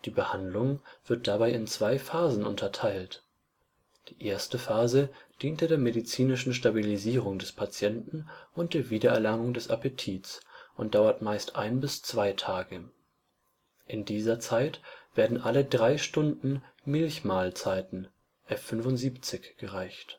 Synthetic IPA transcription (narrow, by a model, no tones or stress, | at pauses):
d̥iːbəhandlʊŋv̥ɪɐt̚d̥abaɪɪnt͡sv̥aɪfaːzn̩ʔʊ̰ntʰɐtʰaɪlt | d̥iːʔeːɐstəfaːzəd̥iːntədeːɐmedit͡siːnɪʃn̩ʃtabiliziːʁ̞ʊŋdɛspʰat͡sjɛntn̩ʔʊnt̚d̥eːɐviːdɐɛɐlaŋʊŋdɛsa̰petʰiːtsʔʊntd̥aʊɐtmaɪstʔa̰ɪnbɪst͡sv̥aɪtʰaːɡə | ʔɪndiːzɐt͡saɪtv̥eːɐdn̩ʔalədʁaɪʃtʊndn̩mɪlçmaːlt͡saɪtn̩ | ʔɛfːʏnvʊntz̥iːpt͡sɪçɡ̥əʁaɪçt